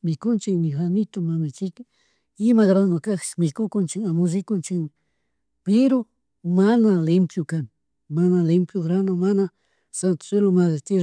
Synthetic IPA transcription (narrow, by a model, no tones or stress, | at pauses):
mɪkʊnt͡ʃɪknɪxanɪt̪omamɪt͡ʃɪk | ɪmaɣɾanokakt͡ʃmɪkʊkʊnt͡ʃɪŋamʊʒɪkʊnt͡ʃɪŋ | pɪɾo | manalɪmpjʊkan | manalɪmpjoɣɾanomana | sant̪ʊ̥selomazɪt̪ɪ